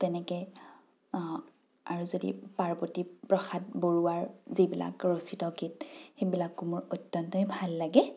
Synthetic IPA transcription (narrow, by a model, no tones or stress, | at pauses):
tɛnɛkɛ | aɹuzodḭpaɹbɔtipɹɔxat̚boɹuwaɹzibila̰kɹositɔkit̚xebilakːumʊɹojtːɔntɔjbʱalːaɡɛ